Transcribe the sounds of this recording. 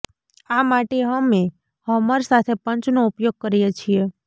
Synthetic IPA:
amaʈeɦəme | həməɾsat̪ʰepəɲt͡ʃnoupjoɡ̚kəɾijet͡ʃʰie

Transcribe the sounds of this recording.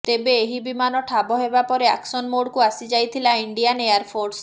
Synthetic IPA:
t̪ebeːɦibimanɔʈʰabɔɦebapɔɾea̰ksɔnmoɽkuasid͡ʒajt̪ʰilaiɳɖijanejaɾpʰoɾs

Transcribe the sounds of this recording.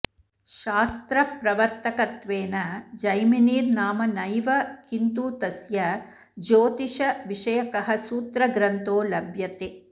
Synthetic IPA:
ʃaːst̪ɾɐpɾɐʋɐɾt̪ɐkɐt̪ʋeːnɐd͡ʒɐjminiːɾnaːmɐnɐjʋɐkint̪uːt̪ɐsjɐ | d͡ʒoːt̪iʃɐʋiʃɐjɐkɐɦɐsuːt̪ɾɐɡɾɐnt̪oːlɐbʱjɐt̪e

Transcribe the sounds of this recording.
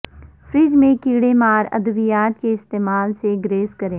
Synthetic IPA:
fɾɪd͡ʒmẽkiːɽemaːɾɐ̰d̪əʋɪjaːt̪̚keɪst̪eːmaːlseɡɾeːskəɾẽː

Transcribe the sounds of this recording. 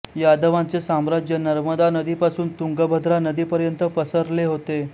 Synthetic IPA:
jad̪əʋãnt͡sesamɾad͡ʑjənəɾməd̪anəd̪iːpasuːnt̪uŋɡəbʱəd̪ʱɾanəd̪iːpəɾjənt̪əpəsəɾleɦot̪e

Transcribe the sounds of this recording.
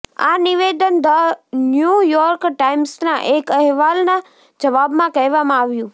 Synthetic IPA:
a̰nɪʋeːd̪ənd̪ənjujɔːɾkʈaimsnãʔeːkəɦʋaːlna | d͡ʒəʋabmãkɐɦʋamãaʋjũ

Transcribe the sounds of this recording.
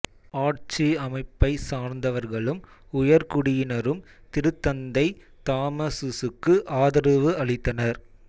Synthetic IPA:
aːʈt͡ʃiɐmɐɪpːɐɪsaːɾnd̪ɐʋɐɾɣɐɭɯm | ʊjɐɾkʊɽɪjɪnɐɾɯm | t̪ɪɾɯt̪ːɐnd̪ɐɪ | t̪aːmɐsɯsɯkːɯʔaːðɐɾɯʋɯɐɭɪt̪ːɐnɐɾ

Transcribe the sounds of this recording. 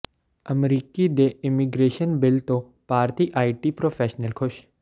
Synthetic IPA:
ɐmɾiːkid̪eɪmiɡɾeːʃənbɪlt̪o | paːɾt̪iʔaːiʈipɾoːfʰeːʃnəlkʰʊʃ

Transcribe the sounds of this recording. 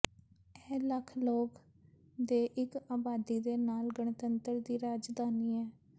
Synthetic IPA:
ɛːləkʰloːk | d̪eːʔɪkaːbaːd̪iːd̪eːnaːlɡəɳt̪ənt̪əɾd̪iːɾaːd͡ʒd̪aːniːɛː

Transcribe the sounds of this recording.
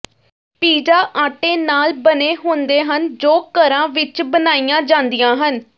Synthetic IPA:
piːd͡ʒaːʔaːʈeːnaːlbəneːɦõːnd̪eːɦənd͡ʒoːkəɾãːʋɪt͡ʃbənaːijãːd͡ʒãːnd̪ijãːɦən

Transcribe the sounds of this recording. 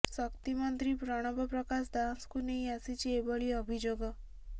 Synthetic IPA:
sʌkt̪imɔnt̪ɾipɾɔɽ̃ɔbɔpɾɔkasd̪askunejasit͡ʃʰiebɔɭiɔbʱid͡ʒoɡɔ

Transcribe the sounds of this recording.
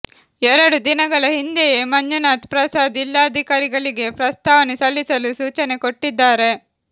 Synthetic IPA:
ɛɾɐɽud̪inɐɡɐɭɐɦind̪ejemɐɲd͡ʒunaːt̪pɾɐsaːd̪ilːaɐd̪ʱikaːɾiɡɐɭiɡe̞pɾɐst̪aːʋɐnisɐlːisɐlusuːt͡ʃɐne̞ko̞ʈːid̪ːaːɾe̞

